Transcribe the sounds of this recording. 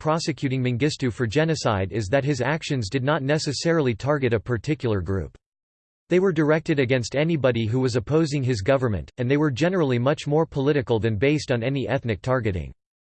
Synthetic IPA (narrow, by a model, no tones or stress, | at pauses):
pʰɹ̥ɑsɨkʰj̥ʉɾɪ̃ŋmɨ̃ŋɡɪstʉfə˞d͡ʒɛnɨsa̰ɪɾɪzðɨt̚ɦɨzækʃɨ̃nzdɨdⁿnətⁿnɛsɨsɛɹl̩ˠitʰɑɹɡɨɾɨpʰə˞tʰɪkjl̩ˠə˞ɡɹʉ̰p | ðeɪwə˞də˞ɛk̚tɨɾɨɡɛ̃nstɛnibɑɾiɦuwʌzɨpʰoʊzɪ̃ŋɪzɡʌvə˞mɨ̰̃ntɨ̃nðeɪwə˞d͡ʒɛnə˞l̩ˠimʌt͡ʃmɔɹpʰəlɪɾɨkl̩ˠðɨ̃nbeɪstn̩ɛniʔɛθnɨk̚tʰɑɹɡɨɾɪ̰̃ŋ